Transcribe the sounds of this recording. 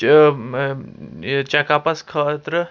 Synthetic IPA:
t͡ɕakapaskʰat̪ɾə

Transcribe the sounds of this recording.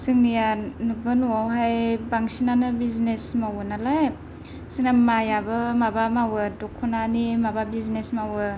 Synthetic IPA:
sɯŋnijanubɯnuwawɦajbaŋsinanɯbiznesmawɯnalaj | sinamajabɯmabamawɯdɔkʰːɔnanimababiznesmawɯ

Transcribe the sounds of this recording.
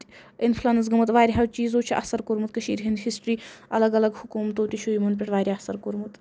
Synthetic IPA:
infʰlɐnɐs̬ɡɨmɐt̪ʋaːɾʲiɦɐt͡ʃiːzoːt͡ʃʰiʔɐ̰hsɐɾkoɾmut̪̚kɐʃḭːɾɦind̪hisʈɾiːɐlɐɡɐlɐɡhukuːmt̪oːt̪iʃʰoːjimɐnpʲeʈʋaːɾʲiɐsɐɾkoɾmut̪

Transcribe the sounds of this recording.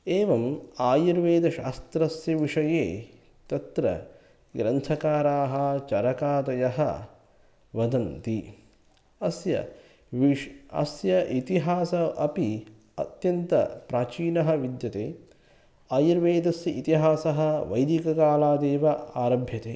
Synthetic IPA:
eːʋɐmaːjiɾʋeːd̪ɐʃa̰ːst̪ɾɐsjɐʋiʂɐjeː | t̪ɐt̪ɾɐ̰ | ɡɾɐnt̪ʰɐkaːɾaːɦɐ̆t͡ʃɐɾɐkaːt̪ɐjɐɦɐ̰ | ʋɐd̪ɐnt̪i | ɐsjɐ̰ | ʋiɐ̰sjɐʔit̪iɦaːsɐʔɐpi | ɐ̰t̪jɐnt̪ɐ̰pɾaːt͡ʃiːnɐɦɐʋid̪jɐt̪eː | aːjiɾʋeːd̪ɐsjɐʔit̪iɦaːsɐɦɐʋɐjd̪ikɐkaːlaːd̪eːʋɐaːɾɐbʱjɐt̪eː

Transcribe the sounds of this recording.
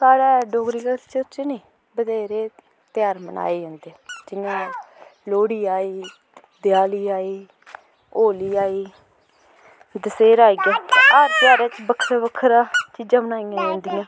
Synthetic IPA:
kaːɽɛːɖoːɡɾiːkəst͡ʃət͡ʃnĩː | bəd̪eːɾeː | t̪jaːɾməna̰ːeːd͡ʒãːnd̪eɛd͡ʒɪãːloːɽiːaːiː | d̪ɪjaːliːaːiː | oːliːaːiː | d̪əseːɾaːiːɡãːaːɾp̪ɪjaːɾeːt͡ʃbəkʰːɾabəkʰːɾaːt͡ʃiːd͡ʒãːmənaːijãːd͡ʒãːnd̪ijãː

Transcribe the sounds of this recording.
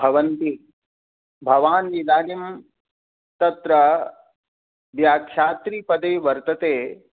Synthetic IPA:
bʱɐʋɐnt̪i | bʱɐʋaːnːid̪aːnim | t̪ɐt̪ɾɐ | ʋjaːkʰʃjaːt̪ɾiːpɐd̪eːʋɐɾt̪ɐt̪eː

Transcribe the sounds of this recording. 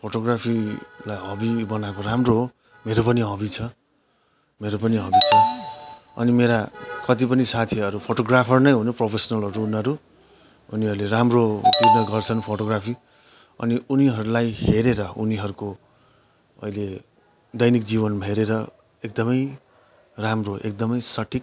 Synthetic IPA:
pʰoʈoɡrapʰilajɦʌbibʌnakoramroɦo | meɾopʌniɦʌbit͡sʰʌ | meɾopʌniɦʌbit͡sʰʌ | ʌ̰nimeɾakʌt̪ipʌnisat̪ʰiʌɾupʰoʈoɡrapʰʌrnʌjɦunʌprʌpʰesʌnʌlʌɾuːnʌɾu | uniɦʌɾuleramrot̪irnʌɡʌrt͡sʰʌnpʰoʈoɡrapʰi | ʌ̰niuniɦʌɾulajheɾeɾʌuniɦʌɾuko | ʌ̰jle | d̪ʌjnikd͡ziβʌnbʱeɾeɾʌ | ekd̪ʌmʌj | ramroʔek̚d̪ʌmʌjsʌʈʰik̚

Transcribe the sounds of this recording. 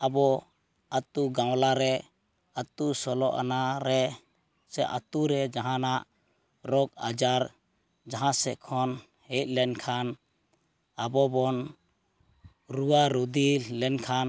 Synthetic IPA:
abɔ | at̪uɡãwlaɾɛ | at̪usɔlɔʔa̰naɾɛ | sɛʔa̰t̪uɾɛd͡ʒaɦãnaʔ | ɾɔkad͡ʒaɾ | d͡ʒaɦãsɛkʰɔn | hɛt̪̚ˀlɛnkʰan | abɔbɔn | ɾuwaɾod̪ilɛnkʰan

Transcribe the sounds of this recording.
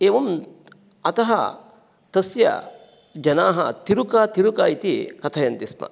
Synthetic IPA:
eːʋɐm | ɐt̪ɐɦɐ̰ | t̪ɐsjɐ̰ | d͡ʒɐnaːɦɐ̰t̪iɾukaːt̪iɾukaːjit̪ikɐt̪ʰɐjɐnt̪ismɐ̰

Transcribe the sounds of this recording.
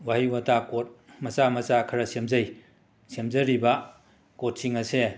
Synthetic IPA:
wahiwatakot̚mɐsamɐsakʰɐɾɐsemzɐj | semzɐɾibɐ | kot̚siŋɐse

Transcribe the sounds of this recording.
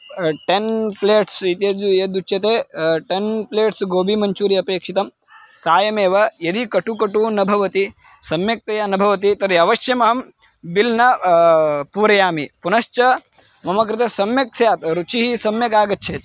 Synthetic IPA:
ʈenpleːʈsit̪jɐd͡ʒ̪ujɐd̪ut͡ʃjɐt̪eːʈenpleːʈsɡoːbʱimɐɲt͡ʃuːɾiɐpeːkʂit̪ɐm | saːjɐmeːʋɐjɐd̪ikɐʈukɐʈunɐbʱɐʋɐt̪i | sɐmjɐk̚t̪ɐjanɐbʱɐʋɐt̪̬it̪ɐɾiɐʋɐʃjɐmɐɦɐm | bilnɐ | puːɾɐjaːmipunɐʃt͡ʃɐ | mɐmɐkɾɪt̪esɐmjɐk̚sjaːt̪ɾut͡ʃiɦisɐmjɐkaːɡɐtːt͡ʃʰeːt̪̚

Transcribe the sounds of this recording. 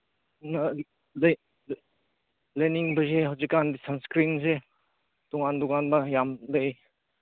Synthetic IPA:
nɐ | l | leniŋbɐzeɦawzikːandisanskɾinze | tɔŋandɔkanbɐjamde

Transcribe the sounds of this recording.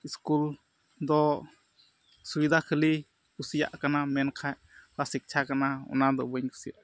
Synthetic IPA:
iskul | d̪ɔ | subid̪ʱakʰəli | kusija̰ʔkanamɛnkʰaj | lasik̚t͡ʃʰakanaɔ̰nad̪ɔbəɲkʰə̥sḭ

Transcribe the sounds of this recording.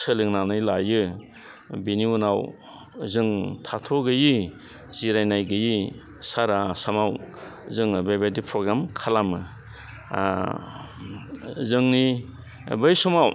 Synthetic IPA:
sɯlɯŋnanɯjlajɯ | biniunaw | zɯŋtʰatʰoɡɯji | z̥iɾajnajɡɯji | saɾasamawzɯŋbajbadipʰɾɔɡɾamkʰalamɯ | zɯŋni | bɯjsɔmaw

